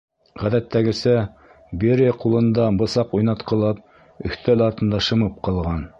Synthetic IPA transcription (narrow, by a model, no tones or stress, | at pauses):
ʁæðæt̪ːæɡɘ̆sæ | beɾqulˠɤ̆nd̪ɑbɤ̆sɑqujnɑt̪qɤ̆lˠɑp̚ | ɵ̆ht̪ælɑɾt̪ɤ̆nd̪ɑʃɤ̆mɤp̚qɑlˠʁɑn